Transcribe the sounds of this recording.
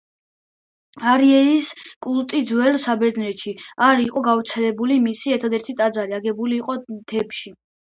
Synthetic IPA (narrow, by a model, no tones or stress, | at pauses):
aɾiɛiskʼult̪ʼid̪zwɛlsabɛɾd̪nɛt̪ʃiaɾiqʼɔɡavɾt̪sʰɛlɛbulimisiɛɾt̪ʰad̪ɛɾt̪ʰit̪ʼad̪zaɾiaɡɛbuliːqʼɔd̪̥ʰɛpʃi